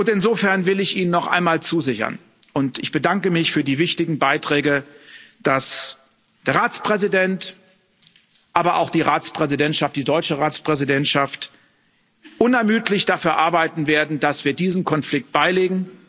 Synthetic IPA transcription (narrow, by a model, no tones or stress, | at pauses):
ʔʊntɪnzoːfɛɐnvɪlɪçʔiːnənːɔχʔa̰ɪnmaːlt͡suːzɪçɐ̰n | ʔʊntɪçb̥ədaŋkəmɪçfyːɐdiːvɪçtɪɡŋ̩baɪtʁ̥ɛːɡəd̥as | d̥eːɐʁaːt͡spʁ̥ɛzidɛnt | ʔaːbɐʔa̰ʊxd̥iːʁaːt͡spʁ̥ɛzidɛntʃaftd̥iːdɔʏt͡ʃəʁaːt͡spʁ̥ɛzidɛntʃaft | ʔʊnɛɐmyːtlɪçd̥afyːɐʔaɐbaɪtn̩veːɐdn̩d̥asv̥iːɐdiːzn̩kʰɔnflɪk̚t̚b̥aɪleːɡŋ̩